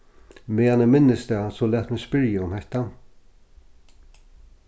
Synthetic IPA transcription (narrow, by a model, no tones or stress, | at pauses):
meːanɪmɪnːɪst̪ɛːsɔlæːt̪mɪnspɪɹjaʊmhɛht̪a